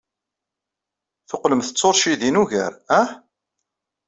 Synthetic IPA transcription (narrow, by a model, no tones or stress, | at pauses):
θoqləmθə̥t͡sːoɾˤʃiðinuʝə̰ɾæh